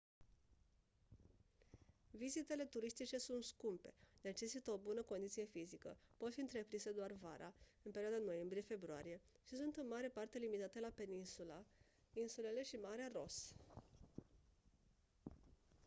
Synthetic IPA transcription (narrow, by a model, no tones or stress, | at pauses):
vizit̪e̞le̞t̪uɾist̪it͡ʃe̞sunt̪skumpe̞ne̞t͡ʃe̞sit̪əo̞bunəko̞nd̪it̪sije̞fizikə̰po̞t̪fiɨnt̪ɾe̞pɾinse̞d̪oarva̰ɾʔa̰ɨnpeɾioad̪ano̞je̞mbɾije̞fe̞bɾoaɾije̞ | ʃisunt̪ɨnmaɾe̞part̪e̞limit̪at̪e̞lape̞ninsula | insule̞le̞ʃimaɾearo̞s